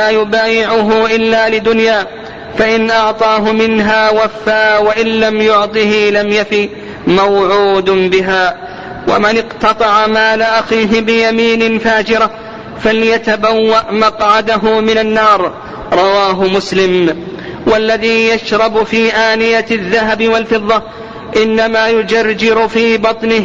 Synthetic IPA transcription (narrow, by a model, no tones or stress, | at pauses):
laːjʊbaːjɪʕʊɦʊʔɪlːaːlɪd̪ʊnjaː | faʔɪnʔɑʕt̪ˤɑːɦʊmɪnɦaːwafːaːwaʔɪnlamjʊʕt̪ˤɨhilamjafiː | mawʕuːd̪bɪɦaː | wa̰mɪnɪqt̪ɑt̪ˤɑʕamaːlaʔaxiːɦɪbɪjamiːnɪfaːd͡ʒɪɾa | faljat̪abawːaʔmɑqʕad̪aɦʊmɪnanːɑːɾˤ | ɾˤɑwaːɦʊmʊslɪm | walːaðiːjaʃɾˤɑbfiːʔaːnɪjaðːaɦabɪwalfɨðˤːɑ | ʔɪnːamaːjʊd͡ʒard͡ʒɪɾʊfiːbɑt̪ˤnɪh